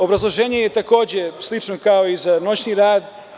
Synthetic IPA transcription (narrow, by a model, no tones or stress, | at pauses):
o̞bɾazlˠo̞ʒeːɲejet̪ako̞ːd͡ʑe̞slit͡ʃno̞kao̞izano̞t͡ɕɲniɾaːd̪